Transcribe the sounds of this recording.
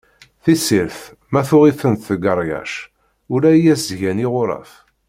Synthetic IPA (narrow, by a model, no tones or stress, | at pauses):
θisiɾθ | mæθʊʁifənt̪θəɡəɾˤjæ̰ʃ | ʊɾæjæsʝæniʁʊɾˤɑ̰f